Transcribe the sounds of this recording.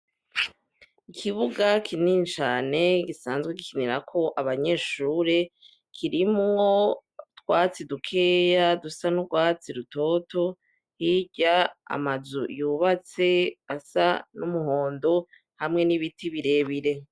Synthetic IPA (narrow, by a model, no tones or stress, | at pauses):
ikʰiβuɡakʰiniːnt͡ʃaːne̞ɡisaːnzɡweɡikʰiniɾakʰo̞ʔaβaɲe̞ːʃuːɾe̞ | kʰiɾimŋo̞twaːt͡sidukʰe̞ːjadusanuɡwaːt͡siɾuto̞to̞ | hiɟaa̰mazujuːβat͡se̞asanumuɦo̞ːndo | hamŋe̞niβitʰiβiɾe̞ːβiɾe̞